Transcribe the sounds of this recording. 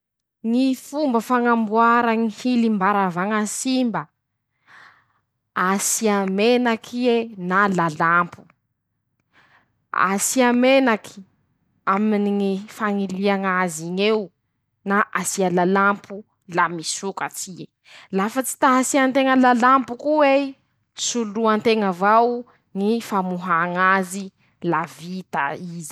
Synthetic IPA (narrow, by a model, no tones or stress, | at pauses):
ŋifumbəfaŋambuaɾəŋihilimbaɾavaŋasimbə | asiamenakʰienalalampʰu̥ | a̰siamenakʰi̥ | aminiŋifaŋiliaŋaziɲew | naʔasialalampʰu | lamisukat͡sie | lafət͡si̥t̪aɦasiant̪eŋəlalampukuwe | suluant̪eŋəvaw | ŋifamuɦaŋazi | lavit̪a̰izi̥